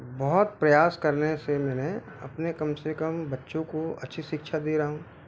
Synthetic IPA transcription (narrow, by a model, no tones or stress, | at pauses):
bɔɦʊt̪̚pɾɐjaːskɐɾnesemɛːnẽ | ɐ̰pnekɐmsekəmbɐtːʃõkoɐ̰tːʃʰiʃɪkʃʰad̪iɾaɦɦũ